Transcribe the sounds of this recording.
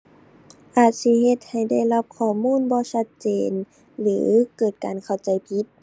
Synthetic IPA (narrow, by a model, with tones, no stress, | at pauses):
ʔaː˨˩t̪̚si˧˥ɦe˧t̪̚ha˨˩jda˥˩jla˧˥p̚kʰɔː˧˩muː˧˥˨nbɔː˧˦sa˧˥t̪̚t͡ɕeː˨n | lɯː˨˦kɤː˨˩t̪̚kaː˨nkʰa˧˩wt͡ɕa˨˩jpʰi˧˥t̪̚